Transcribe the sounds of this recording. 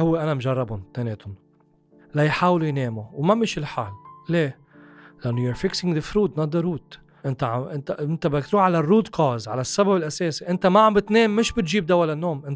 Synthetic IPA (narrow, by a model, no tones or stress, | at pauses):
hʊwːeʔanamʒarˤːɑbʊnt̪eneːt̪ʰʊn | lajħaːwlujneːmʊwmamɪʃilħaːlːeː | laʔanːojuɾfɪksɪ̃ŋðəfɾuːd̪nɑd̪ɑɾuːt̪ | ʔɪnt̪aʕaʔɪnt̪aɪnt̪abakt̪ɾuːʕalarːuːd̪kɑːzʕa̰lasːababɪlʔaseːsiʔɪnt̪amaʕambɪt̪neːmːɪʃbɪt̪ʒiːb̚d̪awalanːoːmʔɪn